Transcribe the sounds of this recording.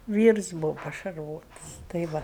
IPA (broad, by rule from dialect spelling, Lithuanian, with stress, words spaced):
ˈʋʲiːrs ˈbuːʋoː pɐʃɐrˈʋoːtɐs tɐɪ ˈʋɐ